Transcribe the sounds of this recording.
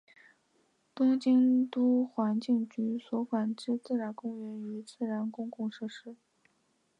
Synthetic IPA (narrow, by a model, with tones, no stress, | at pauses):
t̪ʊ˥ŋt͡ɕi˥ŋt̪u˥xwa˧˥nt͡ɕi˥˩ŋt͡ɕy˧˥swɔ˧˥fa˨˩nʈ͡ʂɻ̩˥˧t͡sɹ̩˥˩ɻa˧˥nkʊ˥ŋɥɛ˧˥ny˧˥t͡sɹ̩˥˩ɻa˧˥nkʊ˥ŋkʊ˥˧ŋʂɤ˥˩ʂɻ̩˥